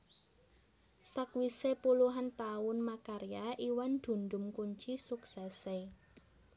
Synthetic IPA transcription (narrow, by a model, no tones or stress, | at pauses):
səkwisepuluɦant̪aʊnmakaɾiaʔiwand̪̥ṳnd̪ʊmkuɲt͡ʃisuksɛse